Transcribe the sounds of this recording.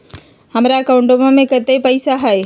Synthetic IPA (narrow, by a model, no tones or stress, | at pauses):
hɐmɾaɐkaʊ̃ɳʈomãmẽkət̪eipəɪsaɦɛe